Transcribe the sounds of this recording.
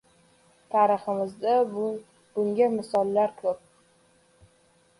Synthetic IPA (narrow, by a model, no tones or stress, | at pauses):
t̪ʰaɾɨχɨmɪzd̪a | b̥ʊŋɡʲamɪsɒlˠːaɾkʰɵp̚